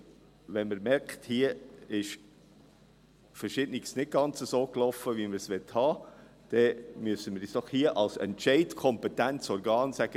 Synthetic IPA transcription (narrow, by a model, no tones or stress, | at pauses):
ʋɛnməɾmɛɾkχthiəɪʃ | fəɾʃɪdniksnɪt̚ɡ̥ɑnt͡səsoːklɔfəʋiməɾsʋɛthɑːd̪̥ɛmyəsəməɾisd̥ɔχhiəʔɑlsɛ̰ntʃɛɪtkʰɔmpɛtænt͡sɔɾɡɑːnsæɡ̥ə